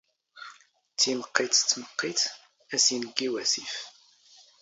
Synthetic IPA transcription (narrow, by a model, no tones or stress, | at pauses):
t͡sːiməqːit̪t͡sːməqːiθ | æsinəɡːiwæsif